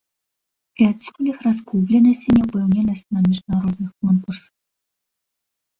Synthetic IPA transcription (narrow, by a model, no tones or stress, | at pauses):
pʲat͡sʲskulʲɨxras̬kublʲɛnɐsʲt͡sʲinʲɛpɛwnʲɛnɐsʲt͡sʲnɐmʲiʐd̪naɾɔd̪nɨxkɔnkursw